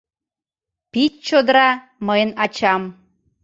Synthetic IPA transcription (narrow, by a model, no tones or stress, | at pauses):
pitt͡ɕod̪ɾɑ | məjənɑt͡ɕɑm